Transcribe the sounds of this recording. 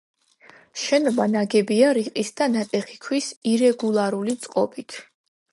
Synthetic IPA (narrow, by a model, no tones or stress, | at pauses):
ʃɛnɔbanaɡɛbiaɾiqʼisd̪anat̪ʼɛχikʰwisiɾɛɡulˠaɾulit̪sʼqʼɔbit̪ʰ